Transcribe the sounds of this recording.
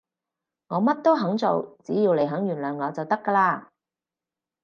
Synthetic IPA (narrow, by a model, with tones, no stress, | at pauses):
ŋɔː˨˧mɐ˥t̚t̪o˥wɦɐ˨˥ŋt͡so˨wt͡siː˨˥jiː˧wle˨˩jɦœː˨˥ŋjyː˨˩nlœː˨˩ŋŋɔː˨˧t͡sɐ˨wt̪ɐ˥kːɐː˧laː˧